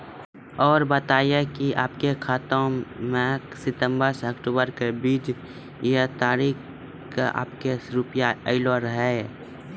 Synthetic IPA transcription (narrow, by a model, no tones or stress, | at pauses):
ɔːɾbət̪aːijekiʔa̰ːpkekʰaːt̪õmẽ | sɪt̪ə̃mbəɾsəkʈuːbəɾkebiːd͡ʒ | jet̪aːɾiːk | kaʔa̰ːpkeɾʊpjaəɪloɾəɦɛ